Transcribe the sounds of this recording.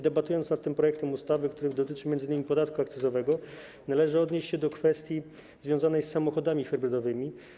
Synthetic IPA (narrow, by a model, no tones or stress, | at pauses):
d̪ɛbat̪ujɔnt̪snat̪ːɘmpɾɔjɛkt̪ɛmust̪avɘkt̪uɾɘd̪ɔt̪ɘt͡ʂɘmjɛnd̪zɘɲɘmʲipɔd̪at̪kuakt̪sɘs̬ɔvɛɡɔ | nalɛʐɘɔd̪ɲeɕt͡ɕɕɛd̪ɔkfɛst̪ʲji | zvʲjɔ̃zanɛjsːamɔxɔd̪amʲifɛɾbɾɘd̪ɔvɘmʲi